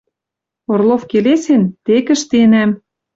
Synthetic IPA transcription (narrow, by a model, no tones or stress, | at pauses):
orlˠofkelesent̪ekə̆ʃt̪enæm